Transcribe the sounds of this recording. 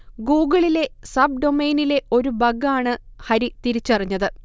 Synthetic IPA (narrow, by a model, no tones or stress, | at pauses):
ɡuːɡɐɭile̞sɐb̚ɖo̞meːnile̞o̞ɾubɐɡaːɳɨhɐɾit̪iɾit͡ɕːuɐriɲːɐðɨ